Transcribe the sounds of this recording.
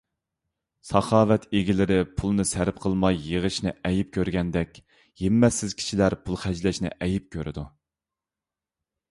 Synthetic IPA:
sɑχɑːvɛt̪ʰeɡʲilɪɾɪpʰulˠnɨsæɾp̚qʰəlˠmɑjːəʁəʃnɪ̰ʔɛjip̚kʲʰøɾɡʲɛnd̪ɛkʲ | jemːɛsːɪzkʲʰi̥ʃilæɾpʰulˠχæd͡ʒlɛʃnɪ̰ʔɛjip̚kʲʰøɾɪ̰d̪u

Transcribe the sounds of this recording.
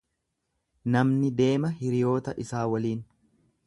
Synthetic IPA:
nɐmnɪd̪e̞ːmɐhɪɾɪjo̞ːt̪ɐʔɪsaːwɐliːn

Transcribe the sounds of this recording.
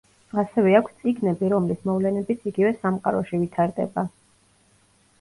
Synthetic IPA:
asɛvɛakʷʰst̪sʼiɡnɛbiɾɔmlismɔvlɛnɛbit̪sʰiɡivɛsamqʼaɾɔʃivit̪ʰaɾd̪ɛ̰ba

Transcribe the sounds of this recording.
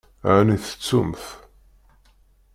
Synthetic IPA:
ʕniθə̥t͡sːumθ

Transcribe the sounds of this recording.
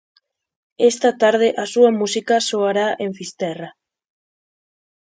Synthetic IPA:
est̪at̪aɾðeʔasuamusikasoaɾaʔeɱfist̪ɛra

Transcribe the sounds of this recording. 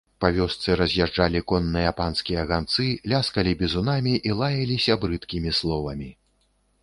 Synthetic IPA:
pavʲɔst̪sɨɾɐzʲjaʐd͡ʐalʲikɔnːɨjɐpanskʲijɐɣant̪sɨlʲaskɐlʲibʲɛzunamʲiʔilˠajɐlʲisʲɐbɾɨt̪kʲimʲislˠɔvɐmʲi

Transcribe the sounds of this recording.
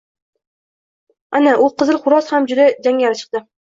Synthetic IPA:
anaʔʊqʰɨzɨlˠχʊɾɒshamd͡ʒʊd̪ad͡ʒaŋɡʲaɾɪt͡ʃʰɨ̥q̚d̪ɪ

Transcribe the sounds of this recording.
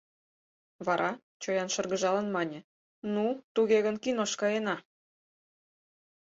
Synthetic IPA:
βɑɾʔɑ | t͡ɕojɑnʃɤ̆rɣə̆ʒɑlənmɑnʲĕ | nut̪uɣeɣənkinoʃkɑjenɑ

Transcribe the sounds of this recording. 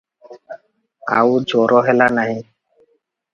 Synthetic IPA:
a̰ːuːd͡ʒʱoːɾʔoːɦeːlaːnaːɦĩː

